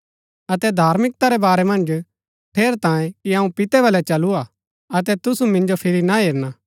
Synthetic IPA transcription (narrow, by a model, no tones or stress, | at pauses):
ɐt̪ɛd̪ʱaːɾmɪk̚t̪aɾɛbaːɾɛmɐ̃nd͡ʒ | ʈʰeːɾt̪ãːẽkiɐũpɪt̪ɛβɐlɛt͡ʃɐlua | ɐt̪̬ɛt̪ʊsumɪ̃nd͡ʒopʰɪɾinaɦeːɾnaː